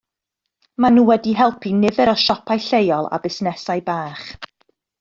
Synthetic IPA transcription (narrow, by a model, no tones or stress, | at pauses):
manuːwɛdiɦɛlˠpʰinɪvɛɾɔʃɔpʰajɬejɔlˠa̰bɪsnɛsajbaːχ